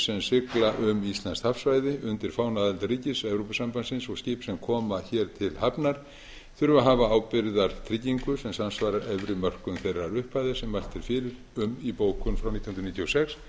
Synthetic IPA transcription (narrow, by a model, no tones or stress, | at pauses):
sɛmsɪklaʔʏmist̪lanst̪hafsvajðɪʏnt̪ɪɾ̥faːwnaðɛlt̪ariːcɪsɛvɾowpasampansɪnsɔɣscɪːpsɛmkʰɔːmaçɛɾ̥t̪ʰɪlhapnaɾ̥ | θʏɾvaɦaːvaaːwpɪɾðaɾ̥t̪ʰɾiciŋkʏsɛmsansvaːɾaɾɛvɾɪmœr̥kʏnθejrːaɾʏhpajðɪsɛmvalt̪ʰɪɾ̥fɪːɾɪɾ | ʏmipoːwkʏnfɾawnit̪jhnɾnit̪josɛks